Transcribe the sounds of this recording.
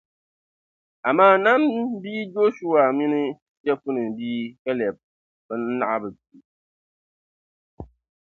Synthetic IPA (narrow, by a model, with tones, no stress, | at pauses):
a˨maː˦˨na˦mbiː˦d͡ʒo˦ʃu˦a˨mi˦nɨ˦ | t͡ʃɛ˦fu˦nɨ˨biː˦ka˦lɛ˨b̚ | bɨ˦n̩˦na̰˦ʔa˦bɨ˨ti˨